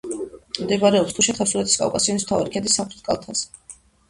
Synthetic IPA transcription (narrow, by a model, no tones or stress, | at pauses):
md̪ɛbaɾɛɔpst̪ʰuʃiχɛlsulɛt̪ʰi̥skʼa̰wkʼasiɔnism̥t̪ʰavaɾikʰɛd̪isːamχɾit̪̚kʼa̰lˠt̪ʰaz